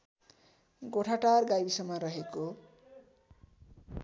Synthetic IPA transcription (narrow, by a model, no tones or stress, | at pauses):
ɡoʈʰaʈarɡajbisʌmʌɾʌɦeko